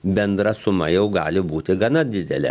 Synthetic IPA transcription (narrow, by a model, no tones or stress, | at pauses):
bʲɛnd̪ɾɐsʊmɐjɛʊɡɑːlʲɪbuːt̪ʲɪɡɐnɐd̪ʲɪd̪ʲɛlʲɛ̰